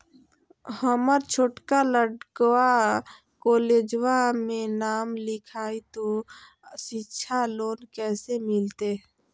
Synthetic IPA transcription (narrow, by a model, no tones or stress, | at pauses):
həməɾt͡ʃʰoːʈkaləɽkwa | koːleːd͡ʒwamẽnaːmlɪkʰaːit̪o | ʃɪtːʃʰaloːnkɛːsemɪlt̪e